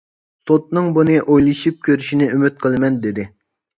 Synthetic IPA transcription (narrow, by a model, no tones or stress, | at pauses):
sot̪nɨŋbunɨʔojlˠɨʃip̚kʲʰøɾyʃinɪymyt̪̚qʰəlˠɨmɛnd̪ɪd̪ɪ